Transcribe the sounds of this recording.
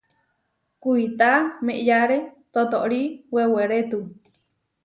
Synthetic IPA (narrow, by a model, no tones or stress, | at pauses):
kuit̪amẽʔjaɾet̪ot̪oʔɾiweweɾet̪u